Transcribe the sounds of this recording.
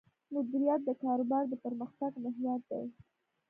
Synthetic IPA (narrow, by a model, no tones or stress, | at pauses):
mʊd̪uɾijɑt̪̚d̪əkɑɾʊbɑɾd̪əpəɾməxt̪aɡmɪɦjɑt̪̚d̪a̰j